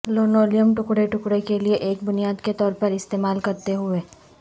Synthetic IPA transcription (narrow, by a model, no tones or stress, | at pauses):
loːnoːlijəmʈʊkɽeʈʊkɽekelieʔeːk̚bʊnijaːd̪ket̪ɔːɾpɐɾɪst̪eːmaːlkɐɾt̪eɦʊeː